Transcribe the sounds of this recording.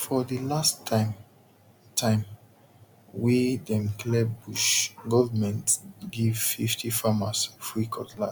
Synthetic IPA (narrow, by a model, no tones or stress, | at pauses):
fɔðilastam | tʰãɪ̃m | widɛ̃mklɛbuʃɡɔvəmɛ̃ntɡivfiftʰifamasfɹikʰɔtla